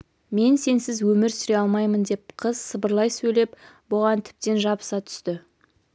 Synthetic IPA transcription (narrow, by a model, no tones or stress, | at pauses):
me̞nse̞nsɪzwɵmɪɾsʏɾe̞ɑlˠmɑjmənd̪e̞p̚qʰəz̥səbəɾlˠɑjsɵjle̞p | bʊʁɑnt̪ʰɪ̥p̚t̪e̞nʒɑbə̥sɑt̪ʰʏ̥st̪ɪ